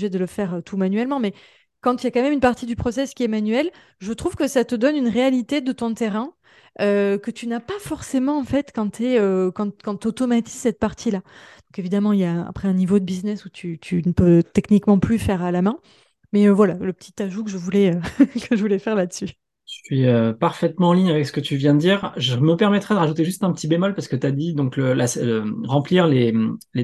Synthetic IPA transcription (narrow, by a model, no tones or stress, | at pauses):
ʒɛd̪ələfɛʁøt̪ʰumanyɥɛlmɑ̃mɛ | kɑ̃t̪yjakɑ̃mɛmynpaʁt̪id̪ypχɔsɛskʲiɛmanɥɛl | ʒət̪χuvkəsat̪əd̪ɔnynʁealit̪ed̪ət̪ɔ̃t̪eʁɛ̃ | økət̪ynapafɔʁsemɑ̃ɑ̃fɛt̪kɑ̃t̪ʰyɛøkɑ̃kɑ̃t̪ot̪ɔmat̪izsɛt̪̚paʁt̪ʰilad̪̥ɔ̃kevid̪amɑ̃iljaa̰pχɛɛ̃nivod̪əbiznɛsut̪ʰyt̪ʰynəpøt̪ɛknikmɑ̃plyfɛʁalamɛ̃ | mɛøvwalaləpət̪ʰi̥t̪aʒukəʒəvulɛøkəʒəvulɛfɛʁlad̪əsy | ʒəsɥiøpaʁfɛt̪mɑ̃ɑ̃liɲavɛksə̥kət̪yvjɛ̃d̪əd̪iːʁʒəməpɛʁmɛt̪χɛd̪əʁaʒut̪eʒyst̪ɛ̃pət̪ibemɔlpaʁsə̥kət̪ad̪id̪ɔ̃kləlasləʁɑ̃pliʁlemle